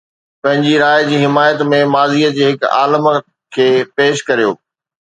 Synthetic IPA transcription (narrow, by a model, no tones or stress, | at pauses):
pɐ̃ɦɪ̃ɲd͡ʑiɾaːjd͡ʑiːɦɪmaːjət̪mẽmaːziːəd͡ʑeːɦɪka̰ːləm | kʰeːpeːʃkɐɾijo̰ː